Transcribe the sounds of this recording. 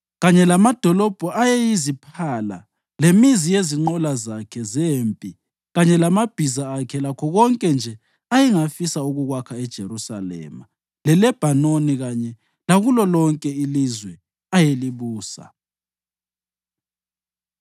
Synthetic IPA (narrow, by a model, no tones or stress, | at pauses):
ɣaɲɛlamad̥ʱɔlɔb̥ʱɔʔajejizipʰala̰ | lemizijeziŋ͡ǃɔlazakʰɛzeːmpʼi | ɣaɲɛlamab̥ʱizaːkʰɛlakʰɔɣɔŋkʼɛnd͡ʒʱɛ | ajiŋafisauɣuɣwakʰaɛd̥ʒ̥ʱeɾusa̰lɛ̰ːma̰ | lɛlɛb̥ʱanoniɣaɲɛ | laɣulɔlɔŋkʼɛilizwɛ | ajeliβuːsa̰